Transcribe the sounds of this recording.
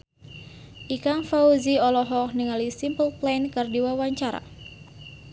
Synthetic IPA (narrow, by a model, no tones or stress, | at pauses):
ʔikaŋfauziɔlɔɦɔk̚niŋalisimpəlplajnkɨrdiwawaɲt͡ʃaɾa̰